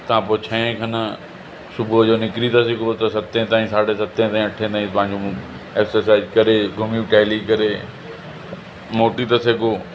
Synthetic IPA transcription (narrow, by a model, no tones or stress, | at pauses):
t̪ɐãpot͡ɕʰɐ̃ẽkʰɐnə | sʊbʱʊd͡ʑoːnɪkɾit̪ɐsɪkɾot̪ɐsɐt̪ẽt̪aːĩsaːɽesɐt̪ẽt̪aːɦĩɐʈʰẽt̪aːĩpɐ̃ɦɪ̃ɲ̆d͡ʑo | eːksəɾs̬aːɪzkɐɾeɡʱʊmiuʈɛːlikɐɾe | moːʈit̪ɐseɡoː